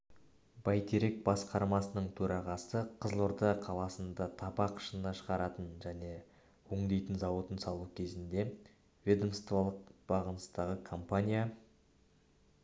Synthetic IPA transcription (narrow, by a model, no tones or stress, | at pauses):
b̥ɑjt̪ʰeɾek̚bɑsqɑɾmɑsənəɴt̪ʰɵɾɑʁɑsəqʰəzlˠoɾd̪ɑqʰɑlˠɑsənd̪ɑt̪ʰɑpɑqʰə̥ʃənnɑʃəʁɑɾɑt̪ənʒæne̞ | woŋd̪ejt̪ənzɑwo̞t̪ənsɑlˠukʲʰe̞zɪnd̪e̞ | vʲed̪omst̪volˠəq̚b̥ɑʁənəst̪ɑʁəkʰo̞mpanʲija